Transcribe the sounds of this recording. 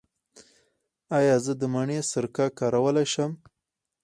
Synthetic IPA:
ɑjɑzəd̪əmaɳesəɾkɑkɑɾawəlajʃəm

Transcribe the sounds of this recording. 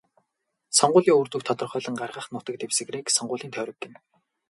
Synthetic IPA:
sɔɴɢʊːɮiːŋɵrt̪ŭkt̪ʰɔt̪ɞ̆rχœːɮə̆ŋɢarʁaːχnʊːt̪ə̆k̚t̪ewsɘ̆ɣreːksɔɴɢʊːɮiːnt̪ʰœːɾɞ̆ɡɪ̆m

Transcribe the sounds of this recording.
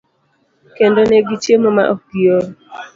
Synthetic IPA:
kendonɛɡit͡ʃjemɔma̰ʔokɡio

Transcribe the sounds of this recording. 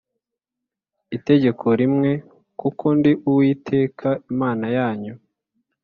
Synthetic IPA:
ite̞ɟe̞kʰo̞ɾimŋe̞ | kukʰo̞ndiʔuwiːtʰe̞ːkʰaimaːnajaːɲu

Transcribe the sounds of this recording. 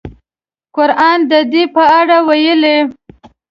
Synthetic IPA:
kʊɾʔɑnd̪əd̪ipəaɽawajəle

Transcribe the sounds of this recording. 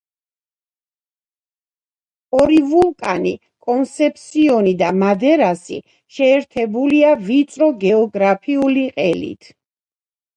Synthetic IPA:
ɔɾivulˠkʼanḭ | kʼɔnsɛp̚ʰsiɔnid̪amad̪ɛɾasḭ | ʃɛːɾt̪ʰɛbuliavit̪sʼɾɔɡɛɔɡɾapʰiuliqʼɛlḭt̪ʰ

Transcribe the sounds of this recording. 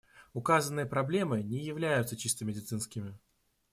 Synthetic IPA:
ʊkazənːɨjəpɾɐblʲe̞mɨnʲɪjɪvlʲæjʊt̪sət͡ɕist̪əmʲɪdʲɪt̪sɨnskʲɪmʲɪ

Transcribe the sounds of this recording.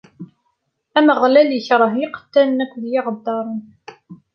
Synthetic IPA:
æməʁlæljəçɾˤəɦɪqə̥t̪ːænnækʷːðjɪʁəd̪ːɑɾˤən

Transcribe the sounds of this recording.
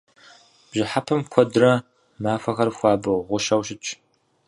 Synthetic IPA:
b̥ʑɪħapʰɐmkʷʰɔdrɐ | maːfɐxɐrxʷɑːbɨʁʷʊʃɐwʃɪt͡ʃʰʼ

